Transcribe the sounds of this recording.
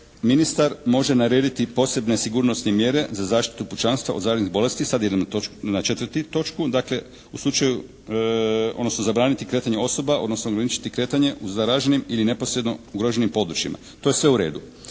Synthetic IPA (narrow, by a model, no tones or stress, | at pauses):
minist̪aɾmo̞ʒe̞naɾe̞ːd̪it̪ipo̞se̞bne̞siɡuɾno̞snemje̞ɾe̞zazaːʃt̪i̥t̪uput͡ʃanst̪ʋa̰ozaːɾd̪niɣbo̞le̞st̪isad̪jed̪onat͡ʃe̞t̪ʋərt̪it̪o̞t͡ʃkud̪akle̞ | uslˠut͡ʃaju | od̪no̞sno̞zabɾaːnit̪ikɾe̞ːt̪aɲeo̞so̞bao̞d̪no̞snoɡɾanit͡ʃi̥t̪ikɾe̞ːt̪aɲe̞ʔuzaɾaʒenimiline̞po̞sɾed̪no̞uɡɾo̞ʒe̞nimpo̞d̪ɾut͡ʃimʔa̰ | t̪o̞je̞sʋe̞uɾe̞̰ːd̪u